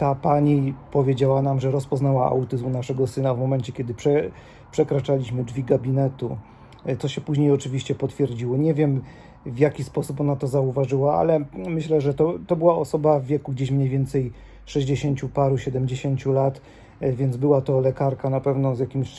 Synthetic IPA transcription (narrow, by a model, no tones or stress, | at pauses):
t̪apaɲipɔvʲjed͡ʑawanamʐɛɾɔspɔznawaa̰wt̪ɘzunaʂɛɡɔsɘnavmɔmɛnt͡ɕɛkʲjɛd̪ɘpʂɛ | pʂɛkɾat͡ʂalʲiɕmɘd͡ʐvʲiɡabʲinɛt̪u | t̪sɔɕɛpuʑɲejɔt͡ʂɘvʲiɕt͡ɕɛpɔt̪fʲjɛɾd͡ʑiwɔɲɛvʲjɛm | vjakʲispɔsup̬ɔnat̪ɔzauvaʐɘwaa̰lɛmɘɕlɛʐɛt̪ɔt̪ɔbɘwaɔsɔbavːʲjɛkuɡd͡ʑeɕmɲejvʲɛnt̪sɛj | ʂɛʑd͡ʑeɕeɲt͡ɕupaɾuɕɛd̪ɛmd͡ʑeɕeɲt͡ɕulat̪ | vʲjɛnd̪zbɘwat̪ɔlɛkaɾkanapɛvnɔzjakʲimɕ